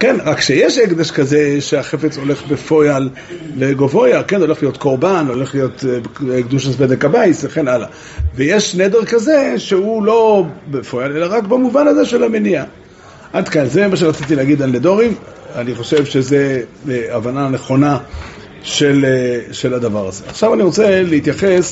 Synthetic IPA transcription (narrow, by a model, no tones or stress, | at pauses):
kenʁakʃejeʃeɡd̪aʃkazeʃeaχefet͡so̞le̞χbefo̞jalː | eɡovo̞jake̞noleχlijo̞t̪ko̞ʁbanlole̞χlijo̞t̪kd̪uʃasbedekabajsveχenʔala̰ | vejeʃned̪eʁkaze̞ʃeulo̞befo̞jale̞laʁakbamuvanaze̞ʃe̞lamenia | ʔad̪kanzemaʃ̬eʁat͡sit̪̬ileaɡid̪alːed̪o̞ʁim | aniχo̞ʃe̞vʃezeavananeχo̞na | ʃelʃe̞lad̪avaʁaze̞aχʃavaniʁo̞t͡se̞leit̪jaχes